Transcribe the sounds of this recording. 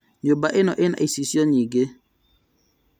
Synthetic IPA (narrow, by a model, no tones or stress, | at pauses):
ɲobaʔɪnɔʔɪna̰isisjɔɲiɡe